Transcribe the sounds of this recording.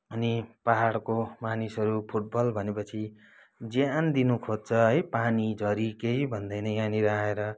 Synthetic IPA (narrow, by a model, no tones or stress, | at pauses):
ʌnipaɦaɽkomanisʌɾupʰuʈ̚bʌlbʱʌnepʌt͡sʰi | d͡zjand̪inukʰod̪̚t͡sʰʌɦʌjpanid͡zʌɾikejbʱʌnd̪ʌjnʌjaniɾaeɾʌ